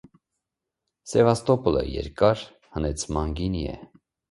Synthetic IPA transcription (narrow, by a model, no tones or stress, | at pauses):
sɛvɑst̪ɔpulə̰jɛ̰ɾkɑɾ | hənɛt͡sʰmɑnɡiniɛ̰